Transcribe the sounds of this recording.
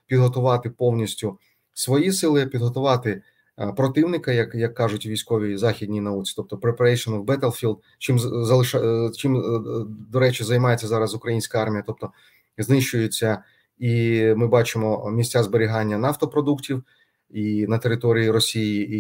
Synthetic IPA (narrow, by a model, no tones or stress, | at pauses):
pʲid̪ɦɔt̪ʊʋɑt̪ɪpɔwnʲisʲtʲʊ | sʋɔjisɪlˠɪpʲid̪ɦɔt̪ʊʋɑt̪ɪ | pɾɔt̪ɪwnɪkɐjɐkjɐkːɑʐʊtʲʋʲijsʲkɔʋʲizɑxʲidʲnʲijnɐut͡sʲi̥t̪ɔp̚t̪ɔpɾepɾɛjʃɐmɪwbɛt̪elˠfʲilˠd̪ | t͡ʃɪmzɐlˠɪʃt͡ʃɪm | d̪ɔɾɛt͡ʃɪzɐjmɑjet͡sʲːɐzɑɾɐzʊkɾɐjinʲsʲkɐɑrmʲijɐt̪ɔp̚t̪ɔ | znɪʃt͡ʃʊjet͡sʲːɐ | imɪbɑt͡ʃɪmɔmʲisʲt͡sʲazbeɾʲiɦɑnʲːɐnɑft̪ɔpɾɔd̪uktʲiw | inɐt̪eɾɪt̪ɔɾʲijiɾɔsʲiji